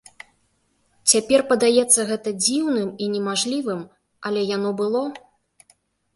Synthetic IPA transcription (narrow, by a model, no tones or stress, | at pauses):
t͡sʲapʲɛrpɐd̪ajɛt̪sːɐɣɛt̪ɐd͡zʲiwnɨminʲɛmaʐlʲivɨm | ɐlʲɛjanɔbɨlˠɔ